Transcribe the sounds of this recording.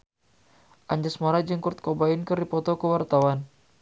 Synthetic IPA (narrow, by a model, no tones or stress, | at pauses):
ʔaɲd͡ʒasmaɾad͡ʒəŋkurt̪̚kobainkəripɔt̪ɔkəwart̪awan